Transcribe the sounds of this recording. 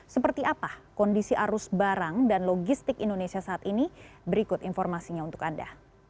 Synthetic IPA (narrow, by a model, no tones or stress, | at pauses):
səpərt̪iapakɔndisiʔaɾʊsbaɾaŋdanloɡist̪ɪkindonesiasaːt̪inibəɾikʊt̪infɔrmasiɲaunt̪ʊkanda̰